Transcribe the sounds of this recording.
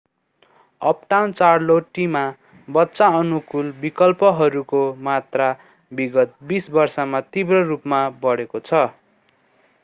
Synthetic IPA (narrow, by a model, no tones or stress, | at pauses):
ʌp̚ʈawnt͡sarloʈima | bʌtːsaʌnukulbikʌlpʌɦʌɾukomat̪ra | biɡʌt̪̚bisbʌrsʌmat̪ibrʌrupmabʌɽekot͡sʰʌ